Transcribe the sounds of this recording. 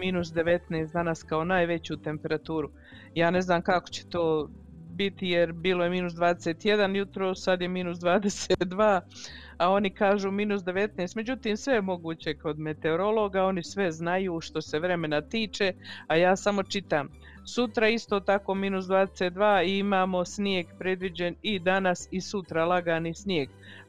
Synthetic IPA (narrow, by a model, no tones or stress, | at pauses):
miːnusd̪e̞ʋe̞t̪neːst̪d̪anaskao̞naːjʋe̞t͡ɕuːt̪e̞mpe̞ɾat̪uːɾu | jaːne̞znaːmkako̥t͡ɕe̥t̪o̞ː | bit̪ijeɾbiːloje̞miːnusd̪ʋaːd̪eseːt̪je̞d̪anjut̪ɾo̞ːssad̪je̞miːnusd̪ʋaːd̪eseːt̪d̪ʋaː | ao̞nikaːʒuːmiːnusd̪e̞ʋe̞t̪neːst̪me̞d͡ʑut̪iːmsʋe̞jemo̞ɡuːt͡ɕe̞ko̞d̪me̞t̪e̞oɾo̞lˠo̞ːɡao̞nisʋe̞znajuʃt̪o̞se̞ʋɾe̞me̞nat̪iːt͡ʃe̞ajaːsamo̞t͡ʃit̪aːm | sut̪ɾaist̪o̞ːt̪ako̞ːmiːnus̬d̪ʋaːd̪eset̪̚d̪ʋaːiimaːmo̞snjeːɡpɾe̞d̪ʋid͡ʑe̞nid̪anasisut̪ɾalˠaɡanisnjeːɡ